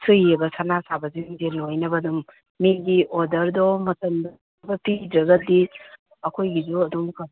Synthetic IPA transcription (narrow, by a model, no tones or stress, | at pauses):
sʰɯjɐbɐsanasabɐzuŋzelojnɐbɐduŋ | miɡiʔodɐɾdɔmɐtɐmd | bɐpidɾɐɡɐdi | ɐkʰojɡid͡ʒuɐdumkɐ